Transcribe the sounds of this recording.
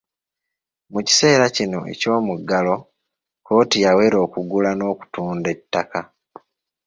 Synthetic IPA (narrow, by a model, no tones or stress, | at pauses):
muci̥se̞ːɾacino̞̰ʔe̞̰co̞ːmuɡalo̞ | ko̞ːtijawe̞ɾo̞ːkuɡulano̞ːku̥tuːnde̞tːaka